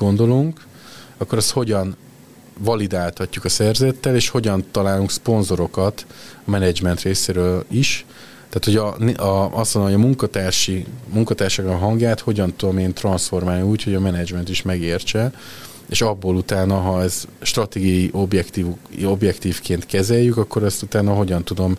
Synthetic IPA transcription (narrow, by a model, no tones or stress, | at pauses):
o̞nd̪o̞luŋk | ɒkːo̞ɾɛst̪ho̞ɟɒn | vɒlid̪aːlt̪ɒcːukɒsɛrzɛt̪ːɛleːʃho̞ɟɒnt̪ɒlaːluŋkspo̞nzo̞ɾo̞kɒt̪ɒmɛnɛd͡ʒmɛnt̪reːseːɾøːliʃ | t̪aːt̪ho̞ɟnʔɒɒst̪ʋnd̪omojɒmuŋkɒt̪aːrʃimuŋkɒt̪aːrʃakkːɦɒŋɡjaːt̪ho̞ɟɒnt̪ud̪o̞meːnt̪rɒnsfo̞rmaːlniuːcho̞ɟɒmɛnɛd͡ʒmɛnt̪iʃmɛɡeːrt͡ʃɛ | eːʃɒbːoːlut̪aːnɒɦɒɛzʃt̪rɒt̪eːɡijɒjiʔo̞bjɛkt̪iːuo̞bjɛkt̪iːfkeːnt̪kɛzɛjːykɒkːo̞ɾɛst̪ut̪aːnɒɦo̞ɟɒnt̪ud̪o̞m